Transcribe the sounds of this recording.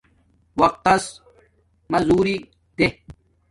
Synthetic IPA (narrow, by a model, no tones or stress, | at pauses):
wɐq̚t̪ɐs | mɐzuːɾi | t̪e